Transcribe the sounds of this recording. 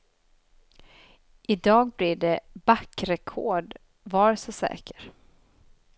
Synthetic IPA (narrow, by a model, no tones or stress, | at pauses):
ʔɪd̪ɑːɡ̚blɪɖɛbakːɾɛkʰɔɖ | vɑːɾsɔsɛ̰ːkə̥ɾ